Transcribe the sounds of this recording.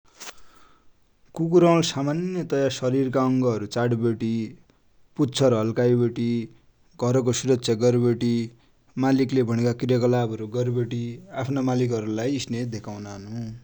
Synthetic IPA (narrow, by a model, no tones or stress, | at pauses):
kukuɾʌlsamanjʌt̪ʌjasʌɾirkaʌŋɡʌʌɾut͡saɽbeʈi | put̪ːt͡sʰʌrɦʌlkajbeʈi | ɡʱʌɾk̬osuɾʌtsʰjʌɡʌɾbeʈi | maliklebʱʌnekakirjʌkʌlabʱʌɾuɡʌrbeʈiapʰnamalikʌɾulajisned̪ekʰawnaɦʌnu